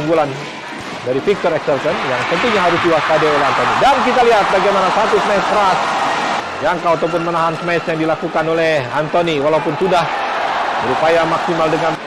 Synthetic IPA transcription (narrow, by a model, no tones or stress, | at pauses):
uŋɡulan | daɾifik̚t̪ɔɾɛksɛlsənjaŋpənt̪iŋɲaɦaɾʊsdiwaskadeolɛɦant̪onidankit̪aliɦat̪̚baɡajmanasat̪usmaskəɾas | jaŋkawat̪̬awp̬ʊnmənaɦansmɛsjaŋdilakukanolɛhant̪oniwalaupʊnsudahdəɾupajaŋmaksimaldəŋan